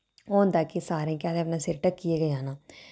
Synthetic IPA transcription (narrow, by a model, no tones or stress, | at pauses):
oːnd̪aːkisaːɾẽːkaːd̪eːəpnaːsɪɾʈəkːijeːɡəd͡ʒaːnaː